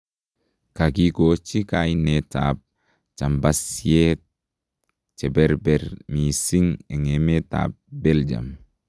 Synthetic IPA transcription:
kakikot͡ʃikajineta̰p̚ | t͡ʃambasiet̚ | t͡ʃɛbɛɾbɛɾmisiŋɛŋemeta̰p̚bɛld͡ʒa̰m

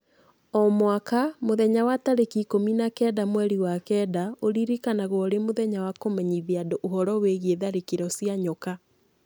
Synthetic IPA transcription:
ɔmwakamoðɛɲawataɾekikominakɛːdamwɛɾiwakɛdaoɾiɾikanaɣwɔɾemoðɛɲawakomɛɲiðiadoʔoɦɔɾɔweɣeðaɾekiɾɔsiaɲɔka

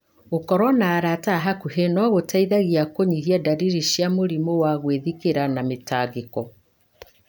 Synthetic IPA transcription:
okɔɾwɔnaːɾataɦakuɦenɔɣotaiðaɣiakoɲiɦiadaɾiɾiʃjamoɾimowaɣweðikeɾanametaːɡekɔ

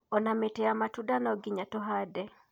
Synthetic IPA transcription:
ɔnametɛamatudanaɔɡɪɲatɔɦadɛ

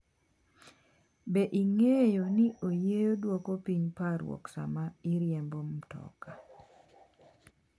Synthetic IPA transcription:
beʔiŋejonɪʔojejodwokopiɲpaɾwɔ̰ksa̰maɪɾjɛmbomtɔ̰ka

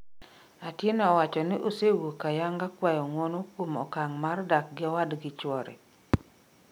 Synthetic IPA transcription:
atjenɔwat͡ʃɔnɪʔosewokajaŋɡakwajɔŋwɔnokomɔ̰kaŋmardak̚ɡɪɔwadɡɪt͡ʃwɔɾɛ̰

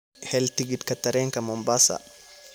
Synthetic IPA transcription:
hɛlt̪iɡit̪kɐt̪ːɐɾɛŋkɐmɔmbasa̰

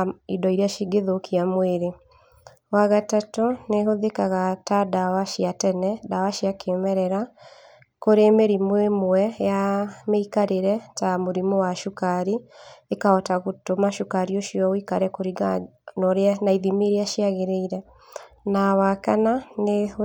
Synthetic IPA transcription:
idɔiɾeaʃiɡeðokʰiamweɾe | waɣatatoneɦoðekaɣatadawaʃiatɛnɛdawaʃiakʰemɛɾɛɾa | koɾemeɾimwemwɛjameikaɾeɾɛtamoɾimowaʃukaɾiekaɔtaɣotomaʃukaɾioʃiɔwikaɾɛkoɾiɡa | nɔɾeanaiðimiɾeaʃiaɣeɾeiɾɛ | nawakanane

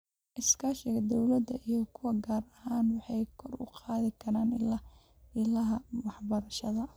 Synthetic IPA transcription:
ʔɪskʰaːʃɪɣɐd̪ɔwlɐd̪ɐʔijɔkʰʊwɐɡaːrɐhaːnwɑħɑjkʰɔrʊ̰qʰɑːðɪkʰɐɾaːnɪlɐ | ɪlɐɦɐwɑħbɐɾɐʃɐðɐ

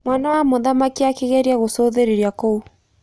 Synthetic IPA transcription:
mwanawamoðamakiakeɣɛɾiaɣosoðeɾeɾjakou

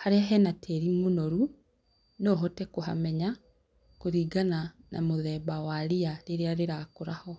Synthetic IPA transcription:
haɾeaɦɛnatʰɛɾimonoɾu | nɔɦɔtɛkoɦa̰mɛɲa | koɾiːɡanana̰moðɛːbawaɾiaɾeɾeaɾeɾakoɾahɔ

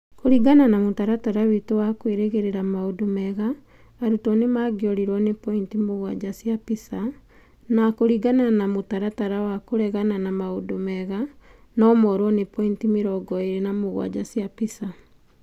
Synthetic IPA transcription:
koɾiɡananamotaɾataɾawitowakweɾeɣeɾeɾamaodomɛɣaː | ɾutɔnemaːɡjɔɾiɾwɔnepɔintimoɣwa̰d͡ʑasiapisa | nakoɾiɡananamotaɾataɾawakoɾɛɣananamaodomɛɣa | nɔmɔɾwɔnepɔintimeɾɔɡɔeɾenamoɣwa̰d͡ʒasjapisa

